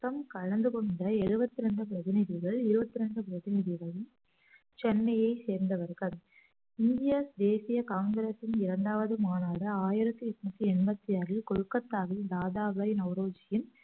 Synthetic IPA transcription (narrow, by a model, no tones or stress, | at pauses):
ɐmkɐɻɐnd̪ɯkɔɳɖɐɛɻɯbɐt̪ːɪɾɐɳɖɯp̬ɪɾɐðɪnɪðɪɣɐɭɪɾɯbɐt̪ːɪɾɐɳɖɯpɪɾɐðɪnɪðɪɣɐɭ | t͡ʃɛnːɐjɐɪseːɾnd̪ɐʋɐɾɣɐɭ | ɪnd̪ɪjɐsd̪eːsɪjɐkaːŋɡɪɾesɪnɪɾɐɳɖaːʋɐðɯmaːnaːðɐaːjɪɾɐt̪ːɯɛt̪ːɐt̪ːiɛɳbɐt̪ːɪɐɾɪlkɔɻɯkːɐt̪ːaːʋid̪aːðaːʋɐjnɐʊɾoːd͡ʒɪjɪn